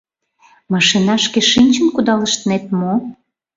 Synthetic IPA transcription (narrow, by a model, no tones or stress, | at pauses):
mɑʃinɑʃkeʃinʲt͡ɕənkud̪ɑləʃt̪ənet̪mo